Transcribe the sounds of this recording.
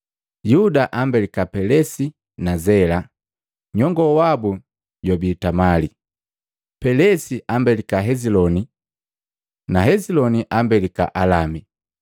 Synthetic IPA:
judaʔambɛlikapɛlɛsi | nazɛla | ɲɔŋɡɔwabu | ɟɔbiːtamali | pɛlɛsiʔambɛlikaɦɛzilɔni | naɦɛzilɔniʔambɛlika̰ʔalami

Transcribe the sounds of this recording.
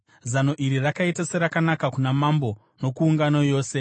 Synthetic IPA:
zano̞ʔiɾirakaitaseɾakanakakunamambo̞ | no̞kuːŋɡanojo̞ːse̞

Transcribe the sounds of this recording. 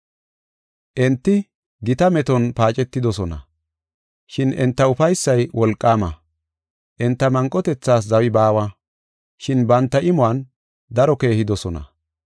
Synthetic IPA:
ʔɛnt̪ːɪ | ɡɪt̪ɐmɛt̪ɔnpaːt͡ʃʼɛt̪ːɪd̪ɔsɔnɐ̰ | ʃɪnɛnt̪ːɐʊfɐjsːɐjwɔlkʼːaːmɐ | ʔɛnt̪ːɐmɐŋkʼːɔt̪ɛt͡sːaːs̬zɐwɪbaːwɐ | ʃɪnbɐnt̪ːɐʔɪmʊaːn | d̪ɐɾɔke̞ːhɪd̪ɔsɔnɐ̰

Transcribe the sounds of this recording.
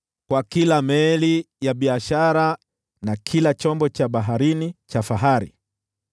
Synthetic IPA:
kwakilamɛli | jaɓiaʃaɾa | nakʰilat͡ʃɔmbɔt͡ʃaɓaɦaɾinit͡ʃafaɦaɾḭ

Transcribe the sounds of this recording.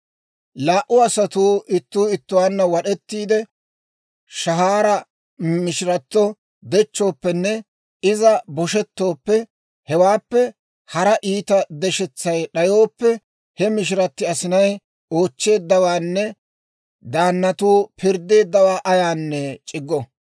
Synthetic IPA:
laːʔːʊɐsɐt̪uːʔɪt̪ːuːɪt̪ːʊwaːnːɐwɐɗɛt̪ːiːd̪ɛ | ʃɐɦaːɾɐ | mɪʃɪɾɐt̪ːɔ | d̪ɛt͡ʃːo̞ːpːɛnːɛ | ɪzɐbɔʃɛt̪ːo̞ːpːɛ | hɛwaːpːɛ | hɐɾɐʔiːt̪ɐd̪ɛʃɛt͡sːɐjɗɐjo̞ːpːɛ | hɛmɪʃ̬ɪɾɐt̪ːɪɐsɪnɐj | o̞ːt͡ʃːe̞ːd̪ːɐwaːnːɛ | d̪aːnːɐt̪uːpʰɪɾd̪e̞ːd̪ːɐwaːʔɐjaːnːɛt͡ʃʼɪɡːɔ

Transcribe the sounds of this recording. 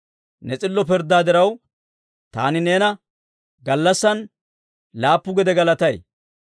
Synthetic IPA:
nɛt͡sʼɪlːɔpɪɾd̪ːaːd̪ɪɾɐw | t̪a̰ːnɪneːnɐ | ɡɐlːɐsːɐn | laːpːʊɡɛd̪ɛɡɐlɐt̪ɐj

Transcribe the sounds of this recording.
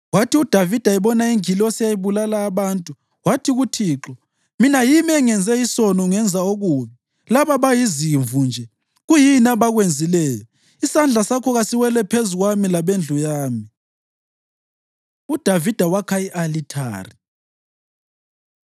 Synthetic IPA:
watiud̥ʱavid̥ʱaɛβɔnaiŋilɔsijajiβulalaːβaːntʼu | watʰiɣutʰiːǁɔ | minajimiɛŋɛnd͡zʱɛisɔnɔŋɛnd͡zʱaoɣuːmi | laβaβajiziɱvund͡ʒʱɛ | ɣujinaβaɣwend͡zʱilɛːjɔ | isand͡ɮʱasakʰɔɣasiwɛlɛpʰezuɣwamilaβend͡ɮʱujaːmi | ud̥ʱavid̥ʱawakʰajiʔalitʰa̰ːri

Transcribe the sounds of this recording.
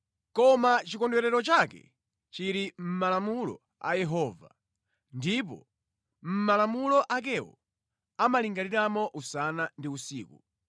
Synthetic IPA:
kɔmat͡ʃikɔndwɛɾɛɾɔt͡ʃakɛ̰ | t͡ʃiɾim̩malamulɔ̰ | a̰jɛɦɔːva̰ | ndip̬ɔ̰ | m̩malamulɔʔak̬ɛwɔ̰ | amaliŋɡaniɾamɔʔusanandiusiːkṵ

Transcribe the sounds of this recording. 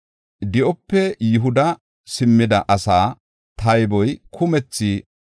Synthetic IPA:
d̪ɪʔɔpːɛjʊɦʊd̪ɐ | sɪmːɪd̪ɐʔɐsaː | t̪ɐjbɔjkʰʊmɛt͡sːi

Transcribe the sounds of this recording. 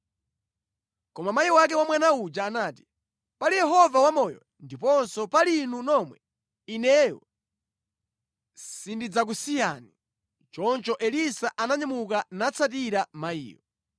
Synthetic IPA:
kɔmamaiwak̬ɛwamwanaud͡ʒaːnaːti̥ | palijɛɦɔvawamɔjɔ̰ | ndipɔnsɔpalinunɔmwɛ | inɛjɔ̰ | sindid͡zak̬usijani | t͡ʃɔnt͡ʃɔʔɛlisaʔanaɲamukanat͡sʰatiɾamaḭːjɔ̰

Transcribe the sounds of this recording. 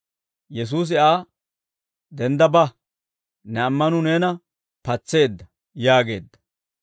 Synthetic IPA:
jɛs̬uːs̬ɪʔaː | d̪ɛnd̪ɐbɐ | nɛɐmːɐnʊneːnɐ | pɐt͡sːe̞ːd̪ːɐ | jaːɡe̞ːd̪ːɐ̥

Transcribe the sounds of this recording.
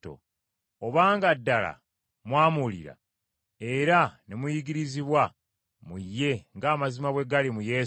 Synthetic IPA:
o̰ | oβaːŋɡadːala̰ | mwaːmulḭɾa̰ | e̞ɾanemujiɡiɾiziβwa | mujːe̞ŋɡaːmazimaβwe̞ɡalimuje̞

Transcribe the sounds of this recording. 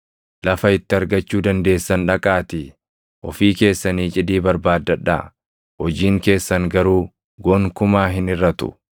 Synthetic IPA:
lɐfɐɪt̪ːɪɐɾɡɐt͡ʃːuːd̪ɐnd̪e̞ːsːɐnᶑɐkʼaːt̪i | ʔɔ̰fiːke̞ːsːɐniːt͡ʃʼɪd̪iːbɐɾbaːd̪ːɐᶑa̰ | hɔd͡ʒiːŋke̞ːsːɐŋɡɐɾuː | ɡoŋkʊmaːɦɪnɪɾːɐt̪ʊ̰

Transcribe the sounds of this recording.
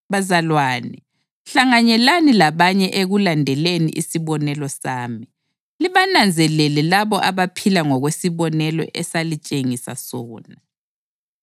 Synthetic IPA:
βazalwaːni | ɬaŋaɲɛlanilaβaɲɛʔeɣulandʱɛlenḭʔḭsiβɔnɛlɔsaːmi | liβanand͡zʱɛlɛlɛlaβɔʔaβapʰilaŋɔɣwesiβɔnɛlɔ̰ʔɛsalit͡ʃʼeŋisa̰sɔːna

